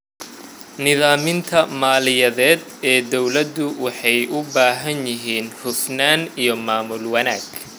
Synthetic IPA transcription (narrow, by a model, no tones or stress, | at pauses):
nɪðaːmɪnt̪ʰɐmaːlɪjɐðɛːd̪ɛːd̪ɔwlɐd̪ʊwɑħɑjʔʊbaːɦɐnjɪɦiːnhʊfnaːnijɞmaːmʊlwɐnaːɡ̥